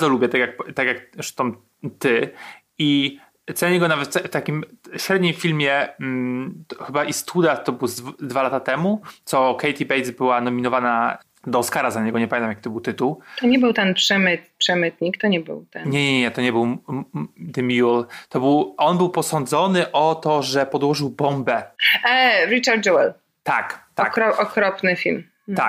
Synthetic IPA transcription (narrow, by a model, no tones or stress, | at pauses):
zɔlubʲjɛt̪akʲjak̚t̪akʲjakʂt̪ɔm | t̪ɘ | i | t̪sɛɲɛɡɔnavɛt̪fft̪akʲimɕɾɛd̪ɲĩmfʲilmʲjɛ | xɘbaʔist̪ʰud̪at̪ɔbɘwzvd̪valat̪at̪ɛmut̪sɔkɛjt̪ibɛj̪zbɘwanɔmʲinɔvana | d̪ɔːskaɾazaɲɛɡɔɲɛpamʲẽnamjakit̪ɔbɘwt̪ɘt̪uwt̪ɔɲɛbɘwt̪ɛnpʂɛmɘt̪pʂɛmɘt̪ɲikt̪ɔɲɛbɘ̰wt̪ɛnɲɲɛɲɛɲɛɲɛt̪ɔɲɛbɘw | d̪ɛmʲiɔlt̪ɔbɘwʔɔnbɘwpɔsɔnd̪zɔnɘʔɔt̪ɔʐɛpɔd̪wɔʐɘwbɔmbɛ | ɾit͡ʂaɾd̪̚d͡ʒuwɛl | t̪akt̪kɾɔʔɔkɾɔpnɘfʲilm | t̪a